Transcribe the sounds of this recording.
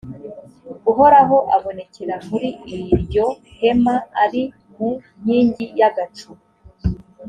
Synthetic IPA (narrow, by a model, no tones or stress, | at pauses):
uɦo̞ɾaɦo̞ʔaβo̞ne̞ceɾamuɾiːjɾjo̞he̞maːɾi | muɲ̥iːɲɟijaɡat͡ʃu